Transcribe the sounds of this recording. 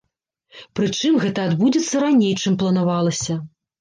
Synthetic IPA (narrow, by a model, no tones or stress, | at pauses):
pɾɨt͡ʂɨmɣɛt̪ɐad̪bud͡zʲit̪sːɐɾanʲejt͡ʂɨmplˠɐnavalˠɐsʲɐ